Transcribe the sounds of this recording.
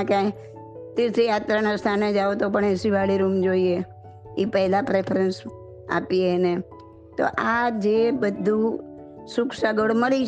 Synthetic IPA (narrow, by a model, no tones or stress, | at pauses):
kaĩ | t̪isejat̪ɾanast̪ʰaned͡ʒaʋot̪opəɳesiʋaɭiɾumd͡ʒoie | ipəɦlapɾepʰɾəns | a̰piene | t̪o̰ʔad͡ʒebəd̪ʱːu | sʊksaɡəɽməli